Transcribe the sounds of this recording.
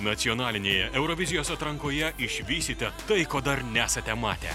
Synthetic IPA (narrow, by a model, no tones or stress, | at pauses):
nɐt̪sʲiɔnɑːlʲɪnʲeːjɛʔɛʊɾɔʋʲɪzʲɪjoːsɐt̪ɾɐ̃ŋkoːjɛɪʃʲʋʲiːsʲɪt̪ʲɛt̪ɐɪkoːd̪ɐɾnʲæːsɐt̪ʲɛmɑ̰ːt̪ʲɛ̰